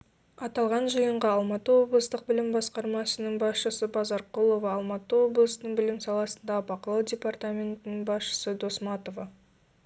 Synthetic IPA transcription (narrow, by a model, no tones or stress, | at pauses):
ɑt̪ɑlˠʁɑnʒəjəɴʁɑɑlˠmɑt̪əwo̞blˠəst̪əq̚bɪlɪmbɑsqɑɾmɑsənəŋbɑsʃəsəbɑzɑɾqulˠo̞vɑːlˠmɑt̪əwo̞blˠəsənəɴbɪlɪmsɑlˠɑsə̥nd̪ɑbɑqəlˠɑwdʲe̞part̪amʲe̞nt̪ɪnɪŋbɑsʃə̥səd̪o̞smɑt̪o̞vɑ